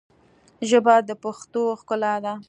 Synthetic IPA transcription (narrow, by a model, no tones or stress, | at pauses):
ʒəbad̪əpaxt̪oxkʊlad̪a